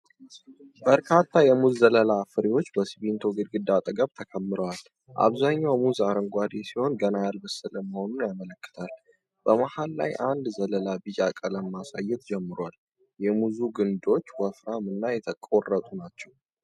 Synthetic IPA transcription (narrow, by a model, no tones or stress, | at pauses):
b̥əɾkʰat̪ʰːajɛmuzːələlafɨɾiwo̞t͡ʃːbəsiβint̪ʰo̞ɡɨd̪ɡɨd̪at̪ʼəɡəβt̪ʰəkʰəmːɨɾəwal | ʔa̰βzaɲːawmuzaɾəŋɡʷad̪esiho̞nɡənalbɨsɨləməho̞nunjamələkːɨ̥t̪ʰal | b̥əmahalːa̰jʔand̪zələlabɨjakʼələmːasajːɛt̪d͡ʒɛmːɨɾwal | jɛmuzuɡɨnd̪o̞t͡ʃːwɔfɾamɨnːajɛt̪ʰəkʼorːət̪ʼunat͡ʃːɛw